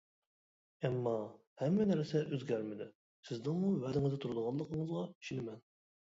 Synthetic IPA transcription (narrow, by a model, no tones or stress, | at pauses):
ɛmːɑ | hɛmːɛnæɾsɛʔøzɡʲæɾmɪd̪ɪ | sɪznɪŋmuwælɪŋɪzɛt̪uɾʊd̪əʁɑlˠəqʰəɴəzʁɑi̥ʃinɪmɛn